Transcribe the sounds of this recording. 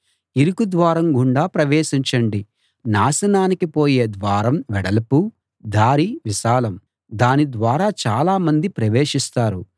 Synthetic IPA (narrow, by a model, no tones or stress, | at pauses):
iɾukud̪ʋaːɾɐmɡuɳɖaːpɾɐʋeːʃiɲt͡ʃɐɳɖi | naːsɐnaːnikipo̞ːje̞ːd̪ʋaːɾɐmʋɛɽɐlɐpu | d̪aːɾiʋiʃaːlɐm | d̪aːnid̪ʋaːɾaːt͡ʃaːlaːmɐnd̪ipɾɐʋeːʂist̪aːɾu